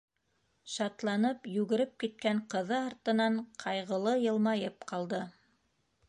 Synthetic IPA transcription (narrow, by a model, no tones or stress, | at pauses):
ʃɑt̪lˠɑnɤpjʉɡɘ̆ɾɘp̚kit̪̚kæɴqɤ̆ðɤɑɾt̪ɤ̆nɑɴqʰɑjʁɤ̆lˠɤjɤ̆lˠmɑjɤpqɑlˠd̪ɤ